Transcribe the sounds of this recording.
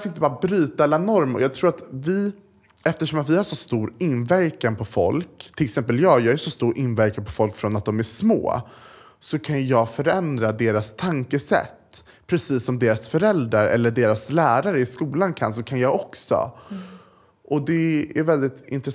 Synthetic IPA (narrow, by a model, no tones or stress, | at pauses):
fɔɾɪnəbɑːɾabɾyːt̪aɛlːanɔɾmjɑːɡt̪ʰɾuːɾat̪vɪ | ɛft̪əʂɔmat̪vɪhaʂɔst̪uːɾɪnːvæɾkanpʰɔfɔ̰lkt̪ʰɪlɛksɛmpəljɑːjɑːɡæʂɔst̪uːɾʔɪnvæɾkanpʰɔfɔlkfɾɔnat̪̚d̪ɔmæʂmo̰ː | sɔkʰanjjɑːɡfœɾɛnd̪ɾad̪eːɾast̪ʰaŋkəsɛ̰t̪ː | pʰɾɛsiːsːɔmd̪eːɾasfœɾɛld̪ɾaɾɛ̰lːəɖeːɾaslæːɾaɾəɪskuːlankʰa̰nsɔkʰanjɑːɔksɔ̰ | ʔɔd̪ɛæɾvɛld̪ɪt̪ɪ̰nt̪ɾɛ